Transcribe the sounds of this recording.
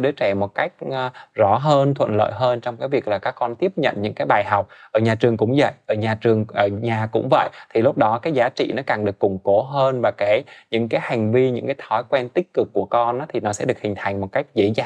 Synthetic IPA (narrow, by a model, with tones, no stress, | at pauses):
ɗɨ˨˦t͡ɕɛ˧˩mo˨˩t̚ka˦˥jk̟̚ːzɔ˨˩˦ɦəː˧nt̪ʰwə̰˧˨nlə̰ː˧˨jɦəː˧nt͡ɕɔ˧wŋ͡mkaː˨˦jvi˨˩ək̚laː˨˩kaː˦˥kːɔ˧nt̪i˦˥əp̚ɲə̰˧˨nɲɨ̰˧˥ŋkaː˨˦jɓaː˨˩jɦa˨˩wk͡p̚ʔʔəː˧˩ɲaː˨˩t͡ɕɨ˨˩əŋkʊ̰˧˥ŋ͡mzə̰˧˨jʔəː˧˩ɲaː˨˩t͡ɕɨ˨˩əŋʔəː˧˩ɲaː˨˩kʊ̰˧˥ŋ͡mvə̰˧˨jt̪ʰi˨˩lʊ˦˥k͡p̚ɗɔ˨˦kaː˨˦jzaː˨˦t͡ɕḭ˧˨nɔ˨˦kaː˨˩ŋɗɨ˨˩əkːʊ˨˩ŋ͡mko˨˦ɦəː˧nvaː˨˩kaː˨˦jɲɨ̰˧˥ŋkaː˨˦jha˨˩jŋ̟vi˧ɲɨ̰˧˥ŋkaː˨˦jt̪ʰɔ˨˦jkwɛ˧nt̪ï˦˥k̟̚kɨ˨˩kːu˧˩əkɔ˧nʔaː˨˦t̪ʰi˨˩nɔ˨˦sɛ̰˧˥ɗɨ˨˩ək̚hï˨˩ŋ̟t̪ʰa˨˩jŋ̟mo˨˩t̚ka˦˥jk̟̚zḛ˧˥za̰ː˧˨